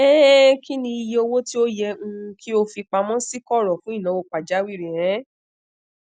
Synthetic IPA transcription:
ɛ˦ki˦nĩ˧i˧jɛ˧o˧wo˦ti˦o˦jɛ˧ŋ̩̃˧kʰi˦o˧fi˧k͡pa˧mɔ̃˦si˦kɔ˦˨ɾɔ˨fũ˨˦i˦˨nã˨˦wo˧˨k͡pa˨d͡ʒa˨˦wi˦˨ɾi˨ɾ̃ɛ̃˨˦

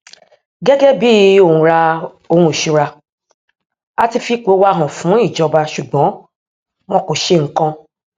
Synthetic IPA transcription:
ɡɛ˦ɡɛ˦bi˦o˦˨ũ˧ɾa˧ | o˧hũ˧˦˨ʃu˧ɾa˧ | a˧ti˧fi˦k͡po˨˦wa˦ɦɔ̃˨fũ˨˦i˦˨d͡ʒɔ˧ba˧ʃu˨ɡ͡bɔ̃˨˦ | w̃ɔ̃˧˦ko˨ʃe˧˨ŋ̩˨˦kã˧

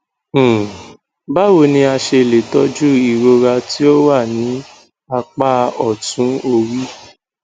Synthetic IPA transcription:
ba˦wo˨nĩ˧a˧ʃe˧˨le˨tɔ˦d͡ʒu˦i˦˨ɾo˧ɾa˧ti˦o˦wa˦˨nĩ˨˦ | a˧k͡pa˦ɔ˨tũ˨˦o˧ɾi˦

